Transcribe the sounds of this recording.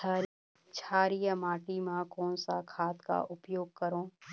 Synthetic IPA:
a | t͡ʃʰaːɾijamaːʈimãkɔ̃ːnsa̰kʰaːt̪ka̰ʔʊpjoːɡ̚kəɾõː

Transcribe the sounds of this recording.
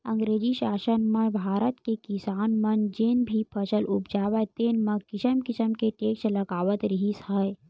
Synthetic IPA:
ə̃ŋɡɾeːd͡ʒiʃaːʃənməbʱaːɾət̪kekɪsaːnmənd͡ʒenbʱipʰəʃəlʔʊpd͡ʒaːʋət̪enmɐ̃kɪsəmkɪsəmkeʈeːkʃləɡaːʋət̪ɾəɦisəe

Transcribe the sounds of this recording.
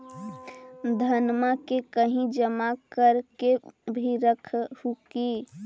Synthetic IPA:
d̪ʱənmakekəɦĩd͡ʒəmakəɾkebʱiɾəkʰhuki

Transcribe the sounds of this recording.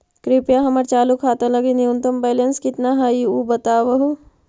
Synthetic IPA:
kɾipjaɦɐmɐɾt͡ʃaːlukʰaːt̪ãlɐɡiniunt̪ɐmbeːlenskɪt̪naɦaiubɐt̪aːʋɐɦu

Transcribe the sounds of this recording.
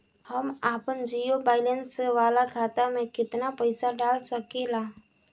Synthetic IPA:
həmaːpənd͡ʒiːjobaːɪlə̃nsseʋaːlakʰaːt̪amẽkɪt̪napəɪsaɖaːlsəkelaː

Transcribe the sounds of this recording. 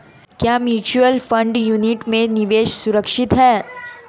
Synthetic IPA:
kjaːmjuːt͡ʃuəlfə̃ɳɖjuniʈmẽniʋeːʃsuɾəkʃɪt̪ɦɛː

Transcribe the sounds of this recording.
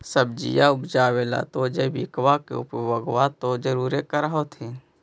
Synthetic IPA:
səbd͡ʒḭjaʊbd͡ʒaːweːla̰t̪od͡ʒebɪkwakḛʊ̰pbəɡwat̪od͡ʒəɾuːɾekəɾaɦot̪ʰe

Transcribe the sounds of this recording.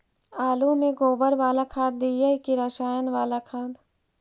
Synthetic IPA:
aːlumẽɡoːbəɾʋaːlakʰaːd̪̚ːiːjəkiɾəʃaːjənʋaːlakʰaːd̪

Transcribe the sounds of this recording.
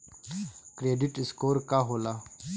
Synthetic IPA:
kɾeːɖiʈiskoːɾkaɦola

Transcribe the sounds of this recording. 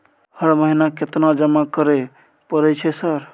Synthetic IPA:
həɾməɦinaket̪nad͡ʒəmakəɾɛ | pəɾɛt͡ʃʰɛsəɾ

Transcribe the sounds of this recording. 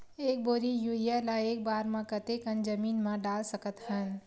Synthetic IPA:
eːk̚boːɾijuːijalaeːk̚baːɾmãkət̪ekənd͡ʒəmiːnmãɖaːlsəkət̪ɦən

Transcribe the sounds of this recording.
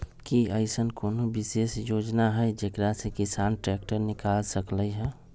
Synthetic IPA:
kiəɪsənkoːnobisesjod͡ʒnaɦəjd͡ʒekɾasekisanʈɾɛk̚ʈəɾnikalsəkləɦɛ

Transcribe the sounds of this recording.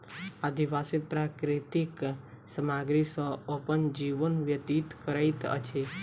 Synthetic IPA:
ad̪iʋasipɾakɾit̪ik | səmaɡɾisɔopənd͡ʒiʋənʋjət̪it̪kəɾajt̪ə̰t͡ʃʰe

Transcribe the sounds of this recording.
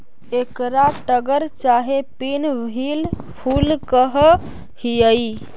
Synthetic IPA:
ekɾaʈəɡəɾt͡ʃaɦepinbʱil | pʰulkəɦ | hiəj

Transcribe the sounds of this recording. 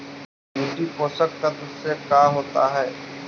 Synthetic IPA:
juːʈipoːsək̚t̪ət̪ʊsːekaːɦoːt̪aɦɛː

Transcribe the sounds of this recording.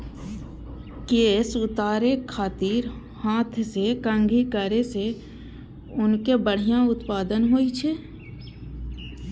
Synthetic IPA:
keːsʊt̪aːɾekʰaːt̪iːɾ | hãːt̪ʰsekə̃ŋɡʱikəɾese | ʊnkebəɽ̤ijãʊt̪paːd̪ənɦoːit͡ʃʰeː

